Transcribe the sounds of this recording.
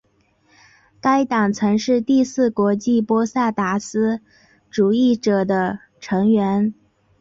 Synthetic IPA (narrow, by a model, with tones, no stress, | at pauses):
ka˥ɪt̪ɑ˨˩ŋt͡sʰɤ˧˥ŋʂɻ̩˥˧t̪i˥˧sɹ̩˥˩kwɔ˧˥t͡ɕi˥˩pwɔ˥sa˥˩t̪a˧˥sɹ̩˥ | ʈ͡ʂu˨˩i˥˩ʈ͡ʂɤ˨˩d̪ə˦ | ʈ͡ʂʰɤ˧˥ŋɥɛ˧˥n